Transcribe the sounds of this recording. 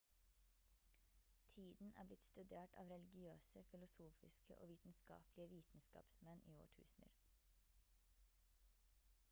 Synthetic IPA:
t̪ʰiːd̪n̩ʔæ̰ːblɪt̪st̪ʉd̪eːʈɑ̰ːʋɾɛlɪɡɪøːsəfɪlʊsuːfɪskə̰ʔo̰ːʋiːt̪n̩skɑ̰ːplɪəʋiːt̪n̩skɑ̰ːpsmɛnʔiːo̰ːʈʰʉ̰ːsn̩ə̰ɾ

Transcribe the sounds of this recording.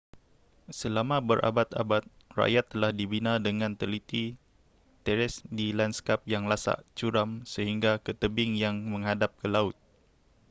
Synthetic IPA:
səlamãbəɾʔa̰bat̪a̰bat̪̚ | ra̰ʔjat̪ːəlahdibinardəŋãnt̪əlit̪i | t̪ɛɾɛsdilanskap̚jaŋlasa̰ʔt͡ʃuɾamsəhiŋɡakət̪əbɪŋjaŋmə̃ŋɦadap̚kəlaʊt̪̚

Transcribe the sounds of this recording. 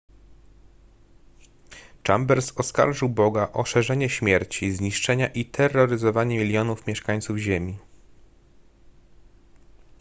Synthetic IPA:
t͡ʂa̰mbɛɾsɔska̰ɾʐɘwbɔɡaʔɔʂɛʐɛɲɛɕmʲjɛɾt͡ɕizɲiʂt͡ʂɛɲaʔit̪ʰɛrːɔɾɘzɔvaɲɛmʲilʲjɔnufmʲjɛʂkaɲ̃t̪suvʑemʲi

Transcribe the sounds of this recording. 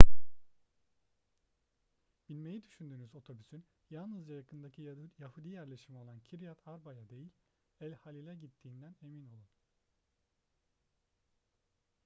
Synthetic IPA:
bilʲme̞jid̪yʃynd̪yːnyzo̞t̪ʰo̞bysyn | jalˠnɯzd͡ʒajakʰɯnd̪acʰijahud̪ijæɾlʲe̞ʃimio̞lˠancʰiɾijat̪ʰaɾbajad̪e̞jilʲ | ælʲhalʲilʲɛɟit̪ʰːiːnd̪æne̞mino̞lˠun

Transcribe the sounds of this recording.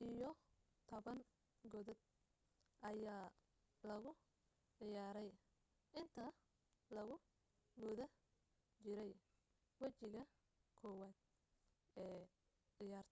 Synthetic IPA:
ʔijɔ | t̪ʰɔβɐŋ | ɡɔðɔd̪̚ | ʔɐjaː | lɐɣʊ | ʕɪjaːɾɛj | ʔɪnt̪ʰɐ | lɐɣʊ | ɡʊðɐ | t͡ʃɪɾɛj | wɐt͡ʃɪɣɐ | kʰɔːwaːd̪̥̚ | ɛː | ʕɪjaːrt̪ʰ

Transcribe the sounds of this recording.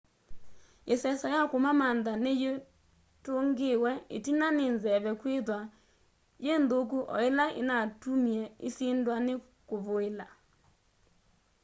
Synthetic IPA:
esɛsɔjakomamandaneje | toŋɡewɛetinanenzɛβɛkweðwa | jendok̬uʔɔ̰elaʔḛnatumiɛesendwane | koβoela

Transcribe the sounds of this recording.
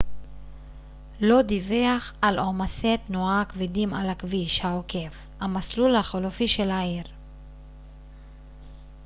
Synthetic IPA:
lo̞d̪iveaχalʔomaset̪noakvidimalakviʃhaoke̞f | hamaslulhaχolofiʃelaiʁ

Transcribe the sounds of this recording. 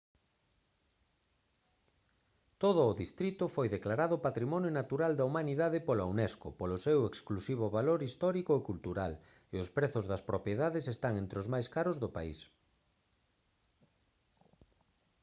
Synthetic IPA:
t̪oð̞ʊːðist̪ɾit̪ʊfojðeklaɾaðʊpat̪ɾimɔnjonat̪uɾald̪ɐumaniðaðɪpolaunɛskʊ̰polʊseweksklusiβ̞ʊβaloɾist̪ɔɾikoekult̪uɾal | eʊspɾeθʊzðɐspɾopjeðaðesest̪aŋent̪ɾeozmajskaɾʊzðʊpa̰ḭs

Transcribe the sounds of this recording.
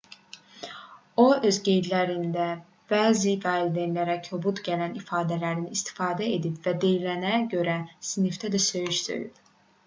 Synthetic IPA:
o̞ø̞zɟe̞jd̪læɾind̪æ | b̥æːzifæːild̪enlæɾæcʰøbut̪ɟælænifɑːd̪ælæɾinist̪ʰi̥fɑːd̪æed̪ipvæd̪ejilænæɟø̞ɾæsinift̪ʰæd̪æsø̞jyʃsø̰jy̰p

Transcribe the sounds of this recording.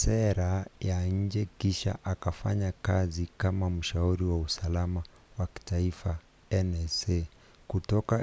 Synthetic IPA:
sɛɾajaɲ̩d͡ʒɛkiʃa̰ʔakafa̰ɲakazikamam̩ʃauɾiwausalama | waki̥taifa | ɛnɛsɛ | kutɔka

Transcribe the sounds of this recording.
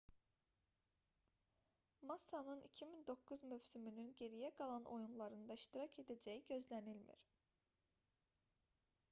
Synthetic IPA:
mɑsɑnɯnicʰimind̪o̞kːuzmøvsymynynɟe̞ɾijæɡɑlˠɑnʔo̞̰junlˠɑɾɯnd̪ɑiʃt̪iɾɑcʰe̞d̪æd͡ʒæjiɟø̞zlænilmḭɾ̥

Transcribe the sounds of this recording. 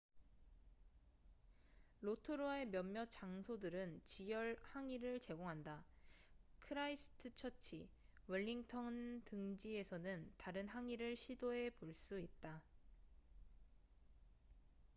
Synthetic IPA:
ɾotʰɯɾuae̞mjʌmːjʌt͡ɕaŋsʰodɯɾɯnt͡ɕijʌɭhaŋiɾɯɭt͡ɕe̞ɡoŋɦanda | kʰɯɾaisʰɯ̥tʰɯt͡ɕʰʌt͡ɕʰi | wɯʎːiŋtʰʌntɯŋd͡ʑie̞sʰʌnɯntaɾɯnɦaŋiɾɯɭɕʰidoe̞poɭs͈uit̚t͈a

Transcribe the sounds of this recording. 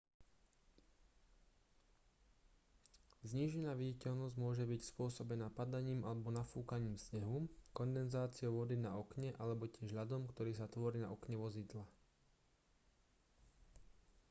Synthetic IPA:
zɲiːʒɛnaːʋiɟicɛʎnɔzɟmʊɔʒɛbicspʊɔsɔbɛnaːpad̪aɲiːmalɛbɔnafuːkaɲiːmsɲɛɦukɔnd̪ɛnzaːt͡sɪɔʊʋɔd̪inaɔkɲɛʔalɛbɔcɪɛʒɦʎad̪ɔmkt̪ɔɾiːsat̪ʋɔɾiːna̰ɔkɲɛʋɔzid̪la

